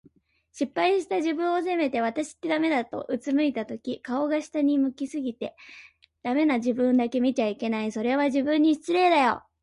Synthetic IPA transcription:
ɕipːaiɕi̥t̪aʑibɯ̟̃ɰ̃ose̞me̞t̪e̞β̞at̪aɕi̥t̪ːe̞d̪ame̞d̪at̪o̞̰ʔɯ̟t͡sɨmɯ̟it̪at̪o̞kʲikao̞ɡaɕi̥t̪aɲ̟imɯ̟kʲisɨɡʲit̪e̞ | d̪̥ame̞naʑibɯ̟̃nd̪ake̞mʲit͡ɕaike̞naiso̞ɾe̞β̞aʑibɯ̟̃ɲ̟ːiɕt͡sɨɾe̞ːd̪ajo̞̰

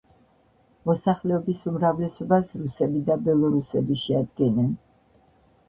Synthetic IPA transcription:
mɔsaχlɛɔbisumɾavlɛsɔbasɾusɛbid̪abɛlˠɔɾusɛbiʃɛad̪ɡɛnɛn

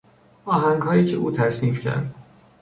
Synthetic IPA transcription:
ʔɒːɦæŋɡɦɒːjiːcʰeuːt̪ʰæsniːfcʰæ̰ɾd̪

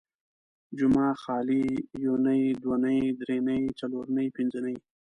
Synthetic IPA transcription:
d͡ʒʊmɑːxɑːlijonəjd̪wanəjd̪ɾenəit͡saloɾnəjpɪnzənəj

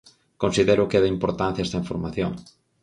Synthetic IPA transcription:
konsiðɛɾʊkɛðɐimpoɾt̪ãn̟θjɐɛst̪ɐiɱfoɾmaθjo̰ŋ

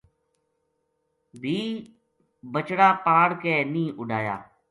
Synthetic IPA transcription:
bʱiː | bət͡ʃɽaːpaːɽkeːnĩːʔʊɖʱaːja̰ː

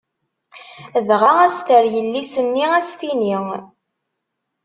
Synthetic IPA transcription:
ðʁaæst̪əɾjəlːisənːiæsθini

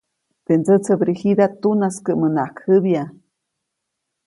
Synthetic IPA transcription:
t̪ent͡sət͡sʰəbɾihid̪at̪unaskəʔmənaʔkhəβja

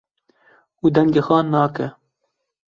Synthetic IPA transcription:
uːd̪ɛŋɡeːxɑːnɑːkɛ

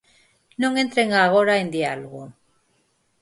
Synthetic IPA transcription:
noŋent̪ɾeŋaːɣ̞oɾaend̪ialɣu

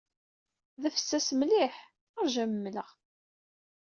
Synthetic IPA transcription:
ðəfə̥sːæsmliħ | əɾʒæmːələʁ

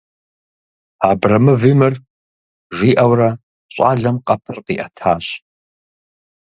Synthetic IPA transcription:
aːbrɐmɨviːmɨr | ʒiːʔɐwrɐ | ɕʼa̰ːɮɐmqʼɐpʰɨrqḭːʔɐtʰaːɕ

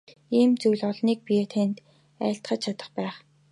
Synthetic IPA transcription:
iːmt͡sujɮɔɮniːk̚pijet̪ʰent̪ | æ̰ːɬt̪χə̆t͡ɕt͡ɕʰat̪ə̆χpæːχ

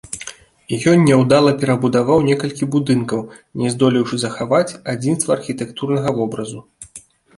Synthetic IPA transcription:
jɔnʲːɛwd̪alˠɐpʲɛɾɐbud̪avawnʲɛkɐlʲkʲibud̪ɨnkɐw | nʲɛzd̪ɔlʲiwʂɨzɐxavat͡sʲad͡zʲinst̪vɐːrxʲit̪ɛkt̪urnɐɣɐvɔbɾɐzu

